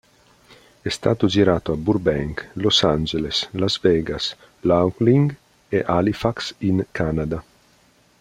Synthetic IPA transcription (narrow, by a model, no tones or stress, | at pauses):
ɛst̪a̰ːt̪od͡ʒiɾaːt̪oabuɾbɛŋklosand͡ʒeleslazvɛːɡas | lawkliŋɡ | eʔalifaksiŋkʰanad̪a